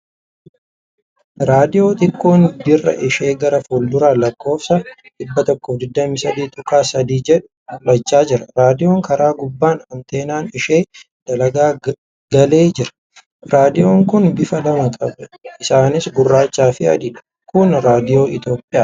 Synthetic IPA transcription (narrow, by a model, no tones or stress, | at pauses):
ɾaːd̪ɪjo̞ːt̪ɪkːoːnb̪ɪrːɐ̰ʔɪʃe̞ːɡɐɾɐfuːld̪ʊɾaːlɐkːo̞ːfsɐ | ᶑɪbːɐt̪ɔkːɔfd̪ɪd̪ːɐmiːsɐd̪iːt̪ʼʊkaːsɐd̪iːd͡ʒɛᶑʊ | lɐt͡ʃːaːd͡ʒɪɾɐɾaːd̪ɪjo̞ːŋkɐɾaːɡʊbːaːnɐmt̪e̞ːnaːnɪʃe̞ː | d̪̥ɐlɐɡaː | ɡ̥ɐle̞ːd͡ʒɪɾɐ̥ | ɾaːd̪ɪjo̞ːŋkʊnbɪfɐlɐmɐkʼɐbɐɪsaːnɪsɡʊrːaːt͡ʃːaːfɪɐ̰d̪ɪᶑɐ̥ | kʊnɾaːd̪ɪjo̞ːɪt̪jo̞ːpʼːɪjaː